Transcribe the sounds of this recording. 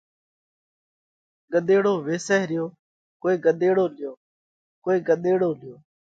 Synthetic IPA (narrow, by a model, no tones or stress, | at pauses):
ɠəɗ̪eːɽoːʋeːsɛːɦɾɪjoː | koːeːɡəɗ̪eːɽoːlɪjoː | koːiːɡəɗ̪eːɽoːlɪjoː